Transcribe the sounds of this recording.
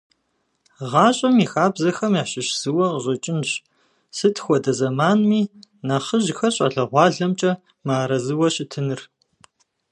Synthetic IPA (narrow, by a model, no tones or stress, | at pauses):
ʁɑːɕʼɐmiːxaːbzɐxɐmjaːɕɪʃz̥ɨwɐʁʑʷʼɐt͡ʃʼɪnɕ | sɨtʰxʷɔdɐzɐmaːnmiːnaχəʒxɐɕʼɐ̰ɮɐʁʷɑːɮɐmt͡ʃʼɐ | maːɾɐzɨwɐɕɪtʰɨnɨr